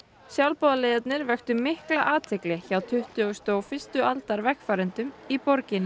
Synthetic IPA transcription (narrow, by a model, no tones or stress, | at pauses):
sjawlpɔːðalɪðɛt̪nɪɾvɛxt̪ʏmɪhklaʔaːt̪ʰɪklɛçawt̪ʰʏht̪ʏɔst̪oːwfɪst̪ʏalt̪aɾvɛhkfaːɾɪnt̪ʏmipɔɾcɪnɪ